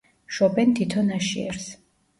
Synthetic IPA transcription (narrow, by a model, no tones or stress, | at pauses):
ʃɔbɛnt̪ʰit̪ʰɔnaʃiɛ̰ɾs